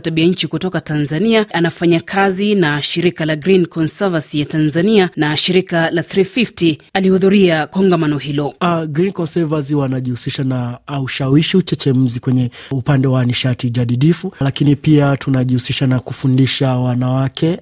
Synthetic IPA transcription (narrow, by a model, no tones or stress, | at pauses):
taɓiaɲ̩t͡ʃikutɔkatanzaniaʔanafaɲakʰazinaʃiɾikalaɡɾinkɔnsɛvasijatanzanianaʃiɾikalaθɾififtialihuðuɾiakɔŋɡamanɔhilɔaɡɾinkɔnsɛvas̬iwanaʄihusiʃanaːuʃawiʃiut͡ʃɛt͡ʃɛm̩zikwɛɲɛupandɛwaniʃatid͡ʒaɗiɗifulakinipiatunaʄihusiʃanakufundiʃawanawakʰɛ